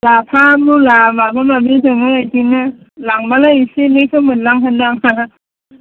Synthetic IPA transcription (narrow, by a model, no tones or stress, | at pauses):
lapʰamulamabamabizɯŋɯajtinɯ | laŋbalaisinɯkʰɯmɯnlaŋɦandaŋa